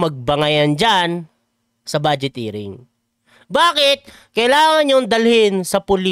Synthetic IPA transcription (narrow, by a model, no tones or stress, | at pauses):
mɐɡ̚bɐŋɐjɐnd͡ʒan | sɐbaːd͡ʒɪt̪iːɾɪ̰ŋ | baːkɪt̪̚ | kɐʔɪlaːŋɐnjoŋd̪ɐlhɪnsɐpʊli